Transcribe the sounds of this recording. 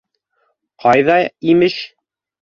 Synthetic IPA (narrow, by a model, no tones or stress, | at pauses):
qʰɑjðɑimɘʃ